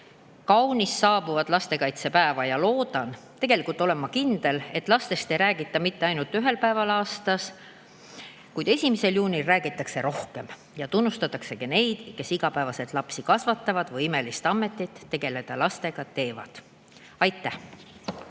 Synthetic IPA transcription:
kɑwnisːɑːbuvɑd̪̥lɑst̪e̞kɑjt̪se̞pæevɑjɑlo̞ːd̪̥ɑn | t̪e̞ɡ̥e̞likult̪ːo̞le̞mːɑkind̪̥e̞le̞t̪ːˑlɑst̪e̞st̪e̞jɾæːɡ̥it̪ːˑɑmit̪ːe̞ɑjnult̪ːˑyɦe̞lpæevɑlɑːst̪ɑs | kujd̪e̞sʲimise̞ljuːnʲilræːɡ̥it̪ːˑɑkse̞ɾo̞hke̞m | jɑt̪unːust̪ɑt̪ːˑɑkse̞kɑne̞jd̪̥ke̞siɡ̥ɑpæevɑse̞lt̪ˑlɑpsikɑsvɑt̪ˑːɑvɑd̪vɤjime̞list̪ɑmːe̞t̪ːˑit̪ːe̞ɡ̥e̞le̞d̪̥ɑlɑst̪e̞ɡ̥ɑt̪e̞ːvɑ̰d̪̥ | ɑjt̪ːˑæh

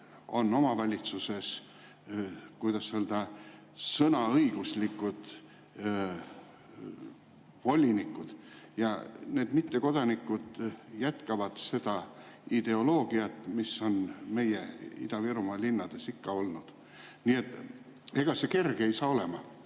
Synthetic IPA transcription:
o̞̰nːo̞mɑvɑlʲit̪suse̞s | kujd̪̥ɑsseld̪̥ɑ | sɤnɑɤjɡ̥uslikːud̪̥ | vo̞lʲinikːˑud̪̥jɑne̞ːd̪̥mit̪ːe̞ko̞d̪̥ɑnikːud̪̥jæt̪kɑvɑd̪̥se̞d̪̥ɑ | id̪̥e̞o̞lo̞ːɡ̥iɑt̪ːˑmisːo̞nme̞je̞ḭd̪̥ɑviɾumɑlinːɑd̪̥e̞sikːɑo̞lnud̪̥ | niet̪ːˑ | e̞ɡ̥ɑse̞ke̞rɡ̥e̞jsɑːo̞le̞mɑ

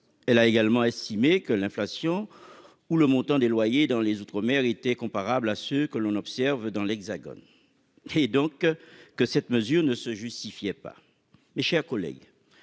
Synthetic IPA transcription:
ɛlaeɡalmɑ̃ɛst̪imekəlɛ̃flasjɔ̃ | uləmɔ̃t̪ɑ̃d̪elwajed̪ɑ̃lezut̪χəmɛʁet̪ɛkɔ̃paʁablasøkəlɔ̃nɔpsɛʁvd̪ɑ̃lɛɡzaɡɔ̰n | ed̪ɔ̃kːəsɛt̪məzyʁnəsəʒyst̪ifjɛpa̰ | meʃɛʁkɔlɛ̰ɡ

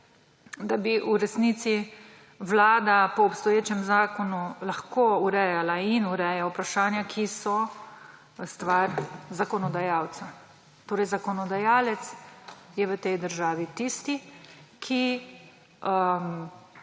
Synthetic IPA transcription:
d̪abiʔuɾɛsniːt̪si | ʋlaːd̪apɔːpst̪ɔjeːt͡ʃɛmzaːkɔnulaxkoːuɾɛjalainuɾɛjaupɾaʃaːnjakʰisɔ | st̪ʋaɾzakɔnɔd̪ajaːw̪sa | t̪oːɾɛjzakɔnɔd̪ajaːlɛt̪sjɛʋət̪ɛjd̪əɾʒaːʋit̪ist̪ikʰi | əm

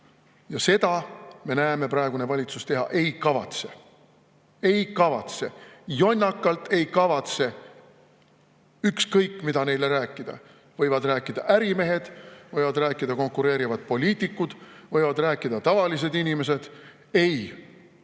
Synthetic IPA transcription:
jɑse̞d̪̥ɑme̞næeme̞prɑe̞ɡ̥une̞vɑlʲit̪sust̪e̞ɦɑ̰ʔe̞jkɑvɑ̰t̪se̞ | e̞jkɑvɑ̰t̪se̞jo̞nʲːɑkːˑɑlt̪e̞jkɑvɑt̪se̞ | ykskɤjkːˑmid̪ɑne̞jle̞ɾæːkːˑid̪̥ɑ̰ | vɤjvɑd̪ræːkːˑid̪̥ɑ̰ʔæɾime̞ɦe̞d̪̥vɤjvɑd̪ræːkːˑid̪ɑko̞ŋkuɾe̞ːɾivɑd̪̥̚po̞lʲiːt̪ikːˑud̪̥vɤ̞jvɑd̪ræːkːˑid̪̥ɑt̪ɑvɑlis̬e̞d̪inʲime̞s̬e̞d̪̥ | e̞j

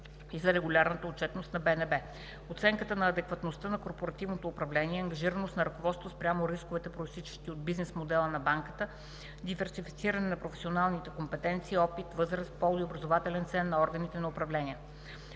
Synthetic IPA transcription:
izɐɾɛɡulʲaɾnət̪əot̚t͡ʃɛt̪nost̪nɐbɛnɛbɛ | ot̪sɛŋkət̪ənɐːd̪ɛkvɐt̪nost̪ənɐkoɾpoɾɐt̪ivnot̪oːpɾɐvlɛniɛɐŋɡɐʒiɾənost̪nɐɾɐkovɔt̪st̪vospɾʲamoɾiskovɛt̪ɛpɾoist̪it͡ʃɛ̥ʃt̪iod̪̚biznɛsmod̪ɛlˠənɐbaŋkət̪ə | d̪ivɛɾsifi̥t̪siɾɐnɛnɐpɾofɛsʲionalˠnit̪ɛkompɛt̪ɛnt̪siːɔpit̪vɤzɾəspɔlˠiobɾɐzovat̪ɛlɛnt̪sɛnːɐɔɾɡənit̪ɛnɐopɾɐvlɛniə

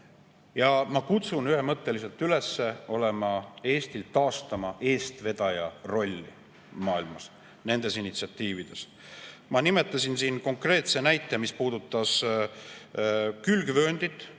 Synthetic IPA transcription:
jɑmɑkut̪sunyhe̞mɤt̪ːe̞lise̞lt̪yle̞sːe̞o̞le̞mɑe̞ːst̪ilt̪ɑːst̪ɑmɑʔe̞ːst̪ve̞d̪̥ɑjɑro̞lʲːḭ | mɑːilmɑs | ne̞nd̪̥e̞sinit̪siɑt̪ːiːvid̪̥e̞s | mɑnime̞t̪ːˑɑsinsiːnko̞ŋkre̞ːt̪se̞næjt̪ːˑemispuːd̪ut̪ˑːɑs | kylɡvø̞ːnd̪̥it̪ːˑ

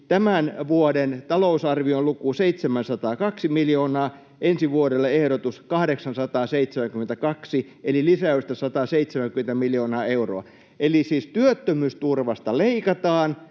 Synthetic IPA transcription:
t̪æmænʋuodent̪ɑlousɑrʋiollukuseit̪semænsɑt̪ɑːkɑksimiljoːnɑː | ʔensiʋuoɾelːɑehɾot̪uskɑhdeksɑnsɑt̪ɑːseit̪semæŋkyment̪ækɑksielilisæyst̪ɑsɑt̪ɑːseit̪semæŋkyment̪æmiljoːnɑːeuro̰ɑ | ʔelisiːst̪yøt̪ːømyːst̪urʋɑst̪ɑleikɑt̪ɑːn

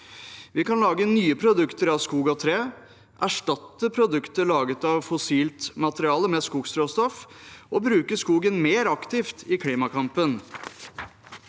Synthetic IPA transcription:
ʋɪkʰɑnlɑːɡənyːəpʰɾʊd̪ʉkt̪əɾɑʋskuːɡɑt̪ʰɾeː | ʔæʂʈɑt̪ːəpʰɾʊd̪ʉkt̪əɭɑːɡət̪ɑʋfʊsiːlt̪mɑt̪əɾɪɑːləmɛskuːɡst̪ɾoːst̪ɔfʔɔbɾʉːkəskuːɡənmeːɾɑkt̪ɪft̪ɪkʰliːmɑkʰɑmpən

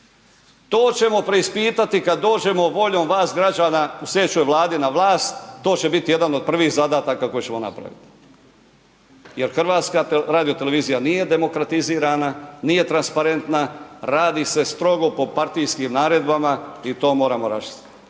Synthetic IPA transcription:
t̪o̞ːt͡ɕe̞mo̞pɾe̞ispiːt̪at̪ikad̪ːo̞ːd͡ʒe̞mo̞ʋo̞ʎo̞ːmʋaːsɡɾad͡ʒaːnause̞t͡ʃujeʋlaːd̪inaʋlaːst̪ːo̞ːt͡ɕe̞bit̪ije̞d̪ano̞d̪̚pr̩ʋixzad̪aːt̪akako̞jet͡ɕe̞mona̰pɾa̰ʋḭt̪i̥ | je̞ɾxr̩ʋaːt̪skaɾaːd̪ijo̞t̪ele̞ʋiːzijanije̞d̪e̞mo̞kɾat̪iziːɾananije̞t̪ɾanspaɾe̞nt̪naɾaːd̪ise̞st̪ɾo̞ɡo̞po̞paɾt̪ijskimnaːɾe̞d̪bamait̪o̞ːmo̞ːɾamoɾa̰ʃi̥t̪ḁt̪

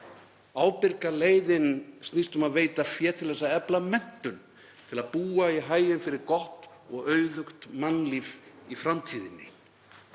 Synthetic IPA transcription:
aːwpɪɾkaleːjðɪnst̪nist̪ʏmaðveːjt̪afjɛːɾt̪ʰɪlɛsːaɛplamɛn̥t̪ʏn | t̪ʰɪlaðpuːaiɦaːjɪnfɪɾɪɾkɔht̪ɔɣœːɥðʏxt̪manːliːvifɾamt̪ʰiːðɪnːɪ̰

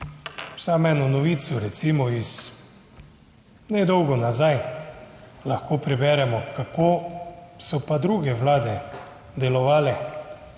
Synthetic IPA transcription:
samɛːnunɔʋiːt̪suɾɛt̪siːmɔis | nɛd̪ɔwɡɔnazaj | laxkoːpɾɛbɛɾɛmɔkakoːsɔpad̪ɾuːɡɛʋlaːd̪ɛ | d̪ɛlɔʋaːlɛ

